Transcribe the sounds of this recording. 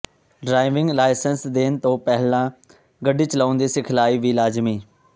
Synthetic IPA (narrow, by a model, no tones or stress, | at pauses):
ɖɾaːɪʋɪ̃ŋɡlaːɪsənsd̪eːnt̪õːpɛɦlãː | ɡəɖiːt͡ʃəlaːʊnd̪iːsɪkʰlaːiːʋiːlaːd͡ʒmiː